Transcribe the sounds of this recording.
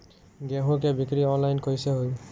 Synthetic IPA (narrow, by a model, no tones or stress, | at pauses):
ɡɛɦokɛbikɹiɔnlajnkoisɛɦoj